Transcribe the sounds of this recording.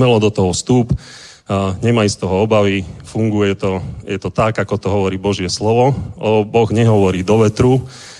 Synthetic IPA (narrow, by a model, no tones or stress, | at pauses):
mɛlɔd̪ɔt̪ɔɦɔst̪uːp | ɲɛmajst̪ɔɦɔɔbaʋifuŋɡujɛɛt̪ɔjɛt̪ɔt̪aɡakɔt̪ɔɦɔʋɔɾiːbɔʒɪɛslɔʋɔbɔɣɲɛɦɔʋɔɾiːd̪ɔʋɛt̪ɾu